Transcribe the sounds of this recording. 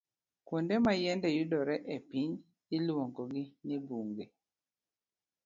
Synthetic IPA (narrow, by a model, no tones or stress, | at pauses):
kundɛmajɛndɛjudɔɾɛʔepiɲ | ilwɔŋɡɔɡɪnibuŋɡe